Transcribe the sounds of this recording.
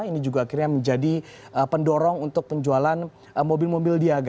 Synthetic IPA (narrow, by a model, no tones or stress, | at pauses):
inid͡ʒuɡaːkirɲaməɲd͡ʒadiəpəndɔɾɔŋunt̪ʊk̚pəɲd͡ʒualan | əmobɪlmobɪldiaɡa